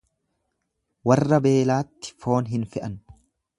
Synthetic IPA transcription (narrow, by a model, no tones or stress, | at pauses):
wɐrːɐbe̞ːlaːt̪ːɪ̥fo̞ːnɦɪnfɪʔɐn